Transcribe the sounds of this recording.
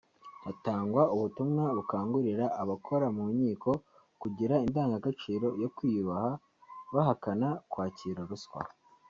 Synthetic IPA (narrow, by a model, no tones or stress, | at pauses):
hataːŋɡwauβutumŋaβukaːŋɡuɾiɾaːβakʰo̞ɾamumɲiːko̞ | kuɟiɾaindaːŋɡaɡat͡ʃiːɾo̞jo̞kwiβaha | βaɦakanakwaːciːɾaɾuskwa̰